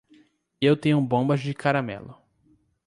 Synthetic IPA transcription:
ewt̪ẽɲʊũbõbɐzd͡ʒɪkaɾamɛ̰lʊ

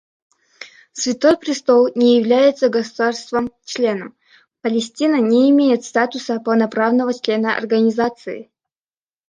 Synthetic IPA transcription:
svʲɪt̪ojpɾʲɪst̪olˠnʲɪjɪvlʲæjɪt̪səɡəsud̪arst̪vəmt͡ɕlʲe̞nəm | pəlʲɪsʲtʲinənʲeɪmʲejɪt̪st̪at̪ʊsəpəlˠnɐpɾavnəvət͡ɕlʲe̞nəʔɐ̰rɡənʲɪzat̪sɨɪ̰

